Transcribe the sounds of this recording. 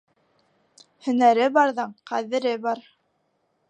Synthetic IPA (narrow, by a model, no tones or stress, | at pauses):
hɵ̆næɾɘbɑɾðɤɴqæðɘ̆ɾɘbɑɾ